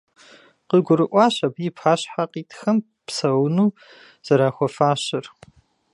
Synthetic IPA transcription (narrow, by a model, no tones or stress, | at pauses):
qəɡʷʊɾɨʔʷʼɑːɕɐbipʰaːɕħaqiːtʰxɐm | pʰsɐwnuː | z̥ɐɾaːxʷɔfaːɕɪr